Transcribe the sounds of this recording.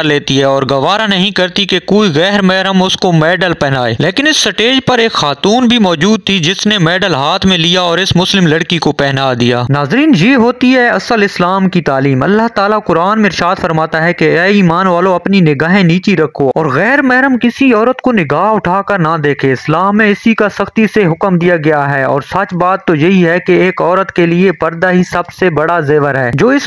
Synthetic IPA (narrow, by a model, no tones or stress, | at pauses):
ɾleːt̪iɦɛɔːɾɡɐʋaːɾanɐɦĩkɐɾt̪ikekoːiɣɛːɾmɛːɾəmʊskomɛːɖəlpɛɦnaːḛːleːkɪnɪsːɐʈeːd͡ʒpɐɾeːkxaːt̪uːnbʱimɔːd͡ʒuːd̪̚t̪ʰid͡ʒɪsnemɛːɖəlɦaːt̪ʰmẽlijaɔːɾɪsmʊslɪmlɐɽkikopɛɦnaːd̪ijaːnaːzɾiːnjeːɦoːt̪iɦɛɐsəlɪslaːmkit̪aːliːmɐ̰lːaɦt̪aːlakʊɾaːnmẽɪɾɪʃaːd̪fɐɾmaːt̪aɦɛkeɛːiːmaːnʋaːlõɐpninɪɡaːɦẽniːt͡ʃiɾɐkʰːoɔːɾɣɛːɾmɛɦɾəmkɪsiɔːɾət̪konɪɡaːɦʊʈʰaːkəɾnad̪eːkʰeɪslaːmːẽɪsikasɐxt̪iseɦʊkəmd̪ijaɡɐjaɦɛɔ̰ːɾsɐt͡ʃbaːt̪ːojɐɦiɦɛkeeːkɔːɾət̪keliepɐɾd̪aɦisɐbsebɐɽazeːʋəɾɦɛːd͡ʒoːɪs